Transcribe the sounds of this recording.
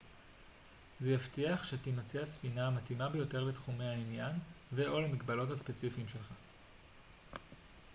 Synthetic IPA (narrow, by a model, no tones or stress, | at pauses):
zejaftiaχʃetimat͡siasfinaːmatimabe̞jo̞te̞ʁletχume̞hainjanveʔo̞lemikbalo̞thaspet͡sifiːmʃe̞lχa